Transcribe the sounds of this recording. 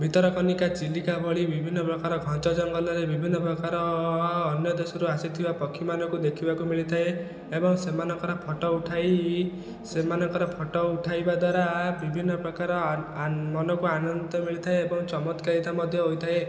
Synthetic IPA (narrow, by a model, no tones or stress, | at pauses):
bʱit̪ɔɾɔkɔnikat͡ʃilːikabʱɔɭibibʱinːɔpɾɔkaɾɔɡʱɔ̃nt͡ʃɔd͡ʒɔŋɡɔlɔɾebibʱinːɔpɾɔkaɾɔː | njɔd̪esɔɾuasit̪ʰibapɔkʰːimanɔkud̪ekʰibakumiɭit̪ʰae | ebɔŋsemanɔŋkɔɾapʰɔʈɔuʈʰaj | semanɔŋkɔɾapʰɔʈɔuʈʰajbad̪waɾabibʱinːɔpɾɔkaɾɔ | mɔnɔkuanɔnt̪ɔmiɭit̪ʰaeebɔŋt͡ʃɔmɔt̪kaɾit̪amɔd̪ʱjɔɦojt̪ʰae